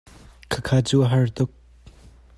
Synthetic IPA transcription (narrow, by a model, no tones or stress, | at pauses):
kʰəkʰaːt͡suːʔɐɦɐrt̪ʊk̚